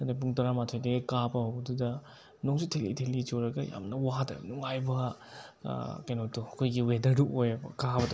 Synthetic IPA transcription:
ɐdɐp̬uŋtɐɾamatʰojdɐɡɐkapɐhawbɐdudɐ | noŋsitʰelḭtʰelit͡ʃoɾɐɡɐja̰mnɐwatɐ̰jbnuŋajbɐ | kɐjnotuɐkʰojɡiwedɐɾduojbɐ̰kabɐd

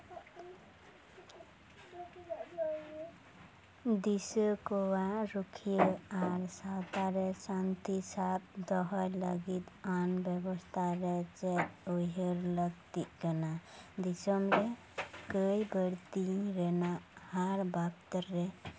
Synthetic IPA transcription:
d̪isəkowaɾukʰijəaɾsawt̪aɾesant̪isab̚d̪ɔɦəjləɡit̪anbjebəst̪ʰaɾet͡ʃɛoɦeɾləɡt̪ikənad̪isəmɾe | kəjbəɾt̪iɾenahaɾbapt̪əɾːe

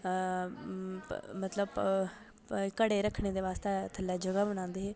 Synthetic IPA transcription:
mət̪ləb | kəɽeːɾəkʰːɽeːd̪eːʋaːst̪et̪ʰəlːaːd͡ʒəɡaːbəñãːnd̪eɦɛː

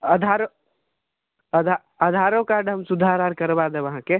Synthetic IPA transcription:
əd̪ʱaɾo | əd̪ʱa | əd̪ʱaɾokaɾɖɦəmsʊd̪ʱaɾaɾkəɾbad̪ɛʋɐɦãke

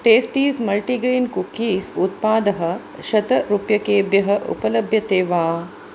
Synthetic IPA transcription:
ʈeːsʈiːsmɐlʈiɡɾiːnkukːiːsut̪paːd̪ɐɦɐ̆ | ʃɐt̪ɐɾupjɐkeːbjɐɦɐʔṵpɐlɐbʱjɐt̪eːʋaː

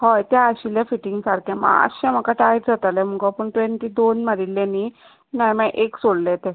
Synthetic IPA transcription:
hɔjt̪aəɕiljafiʈiŋɡsaɾkʰɛma̰ə̰ɕɛ̃m̤əkaʈajɾd͡zat̪alɛm̤əɡɔpəɳʈʋeɳʈiːd̪onməɾilːɛni | najmãʔeksoɽlɛt̪ɛ̃

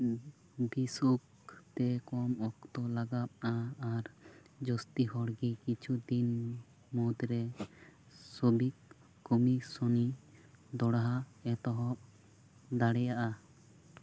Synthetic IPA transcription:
bisuk | t̪ɛkɔmɔkt̪ɔlaɡap̚aaɾ | d͡ʒɔst̪iɦɔɽɡikit͡ʃʰud̪in | mɔd̪ɾɛ | sobik | kːɔmisɔnid̪ɔɽaɦaɛt̪ɔɦɔp̚ | d̪aɽɛjaʔa

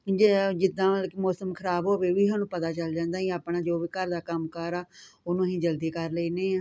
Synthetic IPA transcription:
d͡ʒd͡ʒɪd̪ːãːlkmɔːsəmkʰəɾaːbɦoːʋeːʋiːɦaːnũːpət̪aːt͡ʃəld͡ʒãːnd̪aːɦĩːaːpɳaːd͡ʒoːʋiːkəɾd̪aːkəmkəɾaːʊnõːɦĩːd͡ʒəld̪iːkəɾləiːneːãː

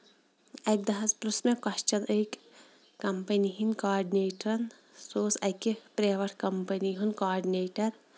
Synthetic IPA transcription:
ɐk̚d̪ɐɦɐspɾusmekɐʃt͡ʃɐnʔəjk | kɐmpɐniɦinkaːɾɖineːʈɾɐn | soːsɐjkepɾeːʋɐɾʈkɐmpɐniɦunkaːɾɖineːʈɐɾ

